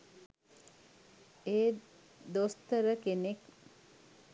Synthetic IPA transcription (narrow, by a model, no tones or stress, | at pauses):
eː | d̪ost̪əɾəkenek